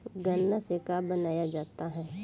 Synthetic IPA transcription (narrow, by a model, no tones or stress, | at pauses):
ɡɐnːasekaːbɐnaːjad͡ʒaːt̪aɦɛː